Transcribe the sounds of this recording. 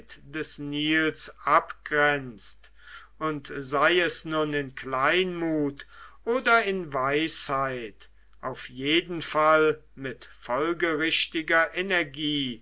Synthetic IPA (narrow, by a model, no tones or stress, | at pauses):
td̥ɛsniːlsʔapɡ̥ʁɛnt͡st | ʔʊntzaɪɛsnʊnɪnklaɪnmuːtʔoːdɐɪnvaɪshaɪt | ʔaʊfjeːdn̩fal | mɪtfɔlɡəʁɪʃtɪɡɐʔenɛɐɡiː